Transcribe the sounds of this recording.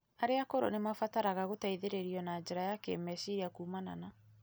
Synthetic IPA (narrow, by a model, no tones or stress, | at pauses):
aɾeakoɾo̰nemafataɾaɣaɣotaiðeɾeɾiɔnad͡ʒɛɾajakḛmɛsiɾiakuːmana̰na